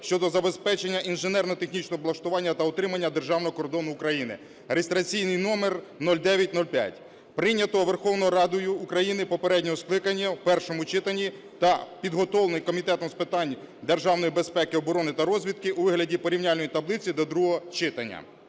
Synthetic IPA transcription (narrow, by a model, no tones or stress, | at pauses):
ʃt͡ʃɔd̪ɔzɐbe̞spɛt͡ʃenʲːɐʔinʒenɛrnɔɔt̪e̞xnʲit͡ʃnɔɦɔblˠɐʃt̪ʊʋɑnʲːɐt̪ɐɔt̪ɾɪmɐnʲːɐd̪e̞rʒɑwnɔɦɔkɔrd̪ɔnʊːkɾɐjinɪ̰ | ɾest̪ɾɐt͡sʲijnɪjnɔmernɔlʲd̪ɛʋʲjɐtʲnɔlʲpʲja̰tʲ | pɾɪnʲːɐt̪ɔʋerxɔwnɔɦɔɾɑd̪ɔjʊːkɾɐjinɪpɔpeɾɛdʲnʲɔɔsklˠɪkɐnʲːɐpɛrʃɔmʊt͡ʃɪt̪ɐnʲːi | t̪ɐpʲid̪ɦɔt̪ɔlnɪjkɔmʲit̪ɛt̪ɔmspɪt̪ɑnʲd̪erʒɑwnɔjibe̞spɛkɪɔbɔɾɔnɪt̪ɐɾɔzʲʋʲid̪̚kɪʔuʋɪɦlʲɐdʲipɔɾʲiwnʲalʲnɔjit̪ɐblˠɪt͡sʲid̪ɔd̪ɾuɦɔɔt͡ʃɪt̪ɐnʲːɐ̰